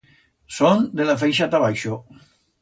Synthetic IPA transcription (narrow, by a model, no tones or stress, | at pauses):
sond̪elafejʃ̬at̪aβajʃo